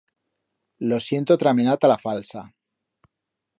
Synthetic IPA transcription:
lo̞sje̞nt̪ot̪ɾamenat̪alafalsa

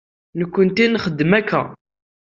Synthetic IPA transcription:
nəkːənt̪inχəd̪ːəmækːæ̰

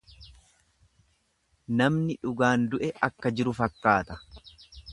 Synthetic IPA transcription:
nɐmnɪᶑʊɡaːnd̪ʊʔɛʔɐkːɐd͡ʒɪɾʊfɐkːaːt̪ɐ̥

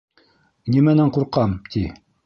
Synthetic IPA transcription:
nimænæɴquɾqɑmt̪ʰi

